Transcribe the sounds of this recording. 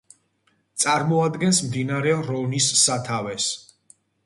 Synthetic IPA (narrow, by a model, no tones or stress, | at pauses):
t̪sʼaɾmɔad̪ɡɛnsmd̪inaɾɛɾɔvnisːat̪ʰavɛs